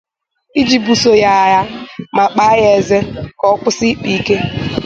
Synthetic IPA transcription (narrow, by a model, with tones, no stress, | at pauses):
i˦d͡ʒi˨bu˨so˨ja˦˨ja˦ma˨k͡pa˦je˨ze˦kɔ˦kʷʊ˦si˦k͡pi˨ke˦